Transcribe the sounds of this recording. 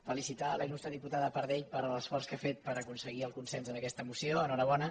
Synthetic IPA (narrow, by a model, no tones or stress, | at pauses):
fəlisit̪aləinust̪əðiput̪aðəpəɾðɛʎpəɾələsfɔrskafet̪̚pəɾəkunsəɣiəlˠkunsɛnzənəkɛst̪əmusioənɔɾəβɔnə